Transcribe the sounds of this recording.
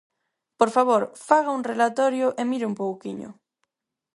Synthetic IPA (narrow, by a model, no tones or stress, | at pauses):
poɾfaβoɾfaɣauŋrelat̪ɔɾjʊʔemiɾɪumpowkiɲʊ̰